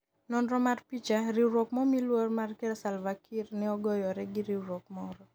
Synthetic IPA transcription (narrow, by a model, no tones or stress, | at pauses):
nɔndɾɔmarpit͡ʃaɾiwɾokmɔmilwormarkɛɾsalvakʰirnɪɔɡɔjɔɾɛɡɪɾiɾok̚mɔɾɔ